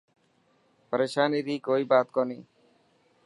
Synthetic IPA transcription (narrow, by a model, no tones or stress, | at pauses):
pəɾeʃaːniɾikoibat̪kɔni